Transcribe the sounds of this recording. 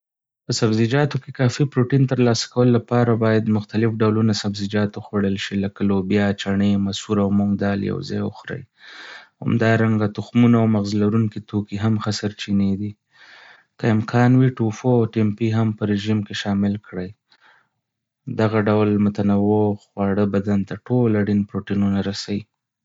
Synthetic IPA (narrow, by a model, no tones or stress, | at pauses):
pəsabzid͡ʒɑt̪okekɑfipɾoʈint̪əɾlɑsḁkawəlolːapɑɾabɑjad̪mʊxt̪alɪfɖawlunasabzid͡ʒɑt̪oxwaɽəlʃilakalobjɑt͡ʃaɳemasuɾawmuŋɡd̪ɑlja̰wza̰jʊ̰xɾa̰j | ha̰md̪ɑɾaŋɡat̪ʊxmunawmaɣzlaɾuŋkit̪okiɦamxasaɾt͡ʃined̪i | kaɪmkʰɑnwiʈufoawʈempiɦampəɾeʒimkeʃɑmɪlkɽəj | d̪aɣaɖawlmʊt̪anawoxwɑɽəbad̪ant̪aʈolaɽinpɾoʈinunaɾasawi